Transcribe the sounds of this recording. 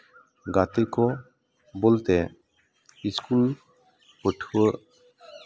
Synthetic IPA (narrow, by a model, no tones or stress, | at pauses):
ɡat̪ikɔ | bolt̪ɛ | iskul | pəʈʰuwəʔ